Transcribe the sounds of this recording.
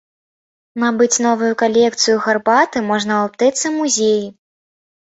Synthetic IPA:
nabɨt͡sʲnɔvujukalʲɛk̚t̪sɨjuɣarbat̪ɨmɔʐnɐap̚t̪ɛt̪sːɐmuzʲeji

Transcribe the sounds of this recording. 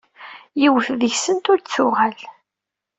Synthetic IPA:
jiwθðəçsənt̪ʊɾt͡sːʊʁæl

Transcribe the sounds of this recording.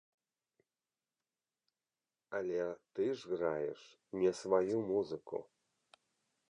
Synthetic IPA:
alʲet̪ɨʐɣrajɛ̰ʂ | nʲɛsvajumuzɨkṵ

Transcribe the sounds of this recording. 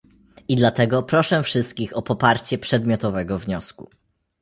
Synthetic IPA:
id̪lat̪ɛɡɔpɾɔʂɛ̃fʂɘst̪̚kʲixɔpɔpaɾt͡ɕɛpʂɛd̪mʲjɔt̪ɔvɛɡɔvɲɔskṵ

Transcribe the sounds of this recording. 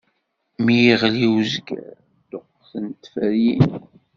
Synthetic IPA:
mijiʁliwzɡæ̰ | d̪̥oqːθənt̪fəɾjin

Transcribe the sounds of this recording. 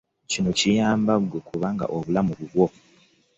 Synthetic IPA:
cinocijaːmbaɡwekʰuβaŋɡa̰ʔoβulamuβuβwo

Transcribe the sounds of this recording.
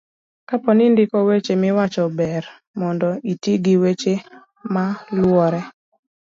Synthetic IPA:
kapɔnɪndɪkɔwet͡ʃemɪwat͡ʃɔbɛr | mɔndɔitiɡiwet͡ʃe | malwɔɾɛ

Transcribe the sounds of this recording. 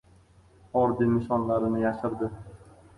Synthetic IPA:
ɒɾd̪inɪʃɒnlaɾɪnɪjaʃɪɾd̪ɪ

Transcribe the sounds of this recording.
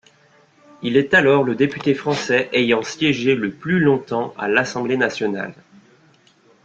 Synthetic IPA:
ilɛt̪alɔʁləd̪epyt̪efχɑ̃sɛʔejɑ̃sjɛʒeləplylɔ̃t̪ɑ̃ʔa̰lasɑ̃blenasjɔna̰l

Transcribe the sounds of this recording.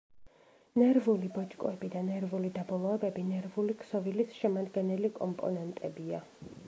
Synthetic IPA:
nɛɾvulibɔt͡ʃʼkʼɔ̰ɛbid̪anɛɾvulid̪abɔlˠɔɛbɛbinɛɾvulikʰsɔvilisʃɛmad̪ɡɛnɛlikʼɔ̰mpʼɔ̰nɛnt̪ʼɛbia

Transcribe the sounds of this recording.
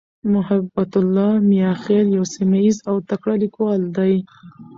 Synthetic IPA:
mʊhabːat̪ʊlːɑmijɑxeljawsimajizawt̪akɽalikwɑld̪aj

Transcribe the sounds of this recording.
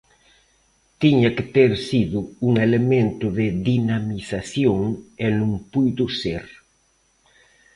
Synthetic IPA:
t̪iɲakɪt̪eɾsiðʊuŋelemẽnt̪ʊðɪðinamisasjoŋenũŋpujd̪ʊseɾ

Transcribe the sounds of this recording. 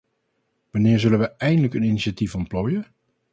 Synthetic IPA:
ʋɑnɪːɹzɵlənʋəɛjndələkəniniʃatifɔntploːjə

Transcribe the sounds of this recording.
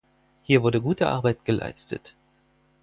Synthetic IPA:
hiːɐvʊɐdəɡuːtəʔa̰ɐbaɪtɡ̥əlʔa̰ɪstə̰t

